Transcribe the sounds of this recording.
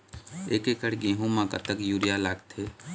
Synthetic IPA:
ekekəɽɡẽɦũmãkə̰t̪əkjuɾijalaɡt̪ʰe

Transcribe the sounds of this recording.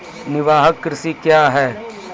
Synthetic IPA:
nɪʋaːɦəkːɾɪsikjaːɦɛː

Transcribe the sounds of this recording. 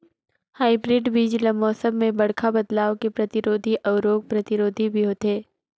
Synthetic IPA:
haːɪibɾɪɖʋiːd͡ʒləmɔːsə̃mmẽbɐɽkʰabɐd̪laːʋkepɾɐt̪ɪɾoːd̪ʱiʔɐʊɾoːɡ̚pɾɐt̪ɪɾoːd̪ʱibʱiɦoːt̪eː

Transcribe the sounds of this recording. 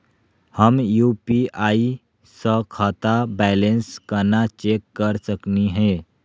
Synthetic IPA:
həmjupiʔai | sə̃kʰət̪abɛlenskəɾnat͡ʃekːəɾsəkniɦe

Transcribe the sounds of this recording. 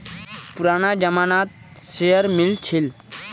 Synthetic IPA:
puɾaːnad͡ʒəmaːnaːt̪̚ | sejəɾmilt͡ʃʰil

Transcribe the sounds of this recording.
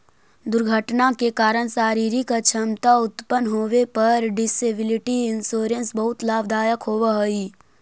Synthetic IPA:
d̪ʊɾɡʱəʈnakekaːɾəɽ̃saːɾiːɾikat͡ʃʰɐmt̪aʊt̪pənɦoːʋepɐɾɖɪsebɪlɪʈiɪnsoːɾə̃nsbɐɦʊt̪laːbd̪aːjəkɦoːʋaɦoi

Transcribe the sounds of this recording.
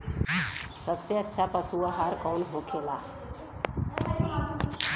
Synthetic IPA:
səbseətːʃʰapəsuaɦaɾkɔːnɦokʰeːlaː

